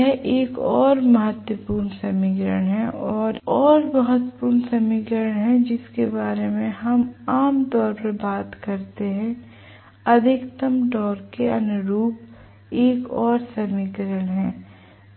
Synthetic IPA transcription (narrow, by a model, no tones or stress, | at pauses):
ɛʔeːkɔːɾmɐɦət̪wəpuːɾɳsɐmɪkɾəɽ̃ɦɛ̃ʔɔːɾɔːɾbɐɦʊt̪puːɾɳsɐmɪkɾəəɽ̃ɦɛ̃d͡ʒɪskebaːɾemẽɦɐmaːmt̪ɔːɾpəɾbaːt̪kɐɾt̪eɦɛ̃ | ɐd̪ʱɪkt̪əmɖɔːɾkeɐ̰nʊɾuːp | eːkɔːɾsɐmɪkɾəɽ̃ɦɛ̃ː